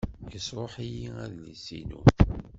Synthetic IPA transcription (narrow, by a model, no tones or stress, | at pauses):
jəsɾˤoħijiæðlḭsḭnṵ